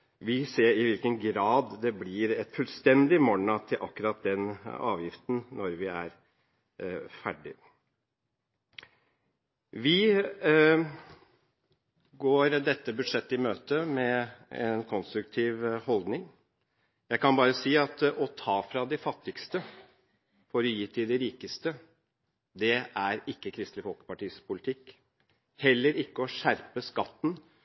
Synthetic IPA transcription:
ʋɪseːɾɪʋɪlkənɡɾɑːd̪d̪ɛblɪɾɛt̪fʉlst̪ɛnd̪ɪmɔɳɑt̪ʰɪlʔɑ̰kːʉɾɑt̪̚d̪ɛnɑ̰ːʋjɪft̪nnɔɾʋɪæɾ | fæɖɪ̰ | ʋɪ | ɡoːɾd̪ɛt̪ːəbʉd̪ʂɛt̪ːɪmøːt̪əmɛɛnkʰɔnst̪ɾʉk̚t̪ʰiːʋhɔld̪nɪŋ | jæɪkʰɑnbɑːɾəsiːɑt̪ɔt̪ʰɑːfɾɑd̪ɛfɑt̪ːɪkst̪ə | fɔɾɔjiːt̪ʰɪd̪ɛɾiːkəst̪ə | d̪ɛæɾɪkːəkʰɾɪst̪lɪfɔlkə̥pɑʈiːspʰʊlɪt̪ʰɪkː | hɛlːəɾɪkːəɔʂæɾpəskɑt̪ːn̩

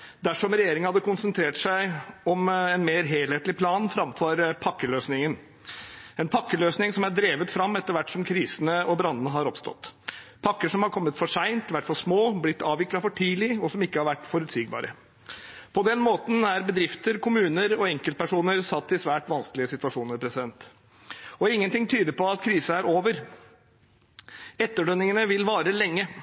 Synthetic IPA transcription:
d̪æʂɔmɾɛjeːɾɪŋəhɑd̪ːəkʊnsənt̪ʰɾeːʈʂæɪɔmɛnmeːɾɦeːlheːt̪lɪpʰlɑːnfɾɑmfɔɾpʰɑkːəløːsnɪŋən | ɛnpʰɑkːəløːsnɪŋsɔmæɖ̪ɾeːʋət̪fɾɑmːɛt̪ːəɾʋæʈːsɔmkʰɾiːsənəɔbɾɑnːənəɦɑɾɔpst̪ɔ̰t̪ːpʰɑkːəʂɔmhɑɾkʰɔmːət̪fɔʂæɪnt̪ʋæʈːfɔʂmoːblɪt̪ːɑːʋʋɪklɑfɔʈʰiːlɪɔsɔmɪkːəhɑɾʋæʈːfɔɾʉt̪siːɡ̚bɑ̰ːɾʔə̰ | pʰɔd̪ɛnmoːt̪n̩æɾbəd̪ɾɪft̪əɾkʰʊmʉːnəɾɔɛŋkəlt̪̚pʰæʂuːnəɾsɑt̪ːɪsʋæːʈʋɑnskəlɪəsɪt̪ʉɑʂuːnəɾpʰɾɛsɪd̪ɛnt̪ | ɔɪŋːənt̪ɪŋt̪ʰyːd̪əɾpɔɑt̪kʰɾiːsəæɾoːʋəɾ | ɛt̪ːəɖœnɪŋənəʋɪlʋɑːɾəlɛŋːə

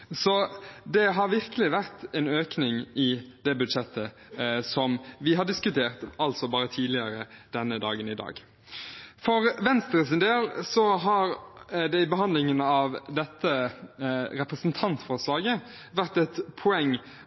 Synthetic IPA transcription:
sɔd̪ɛɦɑɾʋɪʁkəlɪʋæʁt̪ɛnøːknɪŋɪd̪ɛbʉd̪ʂɛt̪ʰːə | sɔmʋɪɦɑɖɪskʉt̪ʰeːʁt̪ɑlt̪sɔbɑːɾət̪ʰiːd̪lɪəɾəd̪̥ɛnːəd̪ɑ̰ːɡənɪd̪ɑ̰ːɡ | fɔɾʋɛnst̪əɾəs̬ɪnd̪eːlsɔɦɑɾd̪ɛɪbəɦɑnd̪lɪŋənɑʋd̪ɛt̪ːə | ɾɛpɾəsnt̪ʰɑnt̪fɔslɑːɡə | ʋæʁt̪ɛt̪pʰʊɛŋː

